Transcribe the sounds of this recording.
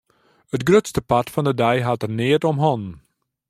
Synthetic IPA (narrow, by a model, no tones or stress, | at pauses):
ətɡrøtstəpɑtfɑndədɛjɦɑtərnɪːətɔmɦɔn